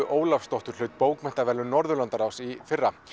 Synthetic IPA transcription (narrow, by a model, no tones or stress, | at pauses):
ʔoːwlafst̪ɔht̪ʏɾ̥lʏːt̪̚poːwkmɛn̥t̪avɛːlːʏnɔɾðʏlant̪aɾawsifɪrːa